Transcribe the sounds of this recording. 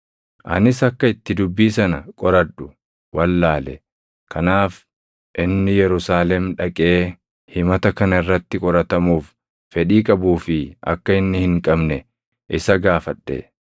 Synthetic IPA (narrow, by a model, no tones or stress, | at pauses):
ʔɐ̰nɪsɐkːɐɪt̪ːɪd̪ʊbːiːsɐnɐkʼɔɾɐᶑʊ̥ | wɐlːaːlɛ | kʰɐnaːf | ʔɪnːɪjɛɾʊsaːlɛmᶑɐkʼe̞ː | hɪmɐt̪ɐkɐnɐɪrːɐt̪ːɪkʼɔɾɐt̪ɐmuːf | fɛᶑiːkʼɐbuːfɪʔɐ̰kːɐɪnːɪhɪŋkʼɐbnɛ | ʔɪsɐɡaːfɐᶑːḛ